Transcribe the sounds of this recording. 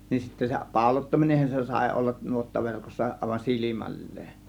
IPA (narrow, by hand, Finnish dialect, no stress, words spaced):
nin sitːæ se pɑˑo̝lotːɑminenhɑn se sɑˑe̝ olːɑn nuotːɑʋerkosːɑ ʔɑˑe̝ʋɑn silimælːeːn